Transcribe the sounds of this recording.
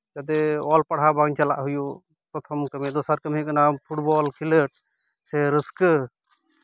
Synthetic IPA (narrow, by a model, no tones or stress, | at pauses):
tad̪ɛɔlpaɽ̤ɦabaŋt͡ʃala̰ʔɦuju | pɾɔt̪ʰɔmkəmid̪ɔsaɾkəmɦikenampʰuʈ̚bɔlkʰiləʈ̚ | sɛɾəskə